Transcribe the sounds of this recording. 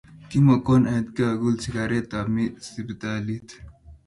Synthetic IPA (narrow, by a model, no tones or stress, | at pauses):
kimɐkoːnɐd̪keɐɡult͡sʰikaɾet̪amisibt̪alit̪ʰ